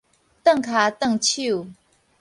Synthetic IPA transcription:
t̪ə˥˨ŋkʰa˨˦t̪ə˥˨ŋt͡ɕʰu˥˨

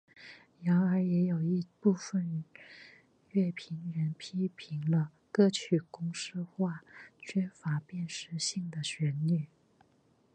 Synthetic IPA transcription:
jɑ˧˥ʊə˞˧˥jɛ˧˥jo˨˩ʊi˧˥pu˥˩fə˨˩n | ɥɛ˥˩pʰi˧˥ŋɻə˧˥npʰi˥pʰi˧˥ŋlə˧ | kɤ˥˧t͡ɕʰy˨˩kʊ˥ŋʂɻ̩˥˧xwa˥˩t͡ɕʰɥɛ˥fa˧˥pjɛ˥˩nʂɻ̩˥ɕi˥˩ŋd̪ə˩ɕɥɛ˧˥nny˨˩˦

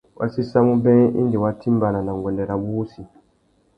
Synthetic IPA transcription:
wʔa̰˦si˦sa˦mu˦bɛ̃˦ḭ˦n˦di˨wa˦tʰi˦mba˨na˨na˨ŋ˨ɡʷwɛ˨ndɛ˨ɾa˨bu˦si˨

